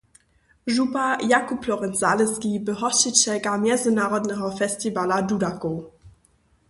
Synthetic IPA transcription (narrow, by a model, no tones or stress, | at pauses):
ʒupajakupʰlɔʁɛnzaːlɛskibəɦɔʃit͡ɕɛkamjɛzɪnaːʁɔdnɛɦɔfɛstivaladudakoː